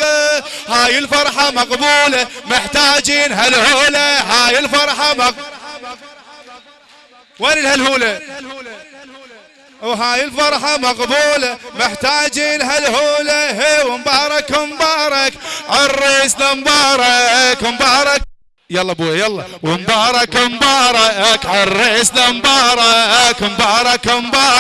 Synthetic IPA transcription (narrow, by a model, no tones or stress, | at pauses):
haːjɪlfɑɾˤħɑmɑqbuːlamɪħt̪aːd͡ʒiːnɦalhoːlahaːjɪlfɑɾˤħɑmaq | waːlilhalhuːla | wɦaːjɪlfɑɾˤħɑmɑqbuːlamɪħt̪aːd͡ʒiːnɦalhuːlaɦewɪmbɑːɾˤɑkmbɑːɾˤɑkʕarˤːɪsnambɑːɾˤɑkmbɑːɾˤɑk̚ | jɑlˤːɑbuːjajɑlˤːɑwɪmbɑːɾˤɑkmbɑːɾˤɑkʕarːeʕsnambɑːɾˤɑkmbɑːɾˤɑkmbɑː